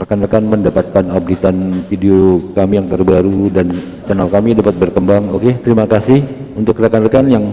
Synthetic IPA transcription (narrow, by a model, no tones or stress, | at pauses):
ərkanakanməndapat̪̚kanap̚dit̪anfideokamijaŋt̪ərbaɾudan | t͡ʃanalkamidapat̪̚bərkəmbaŋoket̪əɾimakasɪhunt̪ʊkːəɾakanalkanjaŋ